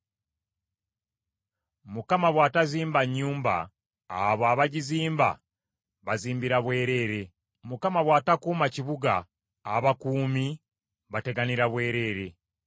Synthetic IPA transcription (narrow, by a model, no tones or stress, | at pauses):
mukamaβwaːtaziːmbaɲːuːmba̰ː | βoaβaɟiziːmba̰ | βaziːmbiɾaβwe̞ːɾe̞ːɾe̞ | mukamaβwaːtakuːmaciβuɡa̰ː | βakuːmi | βate̞ɡaniɾaβwe̞ːɾe̞ɾe̞